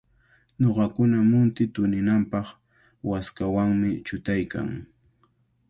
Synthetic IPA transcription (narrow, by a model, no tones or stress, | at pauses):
ɲoɢɑkʊnamʊnt̪ɪt̪ʊnɪnampɑχ | waskawaŋmɪt͡ʃʊt̪ajka̰ŋ